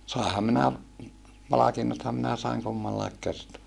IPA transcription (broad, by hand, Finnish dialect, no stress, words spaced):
sɑˑehɑm minæ pɑlɑkinːothɑm minæ sɑiŋ kumːɑlːɑik kertoɑ